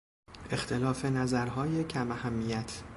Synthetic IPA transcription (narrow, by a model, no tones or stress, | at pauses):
ʔe̞xt̪ʰe̞lɒːfe̞næzæɾɦɒːje̞cʰæmæhæmːijæt̪ʰ